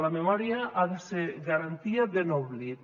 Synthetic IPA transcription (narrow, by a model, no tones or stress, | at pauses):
lamemɔɾiaʔaðeseɾɣaɾant̪iaðenɔβli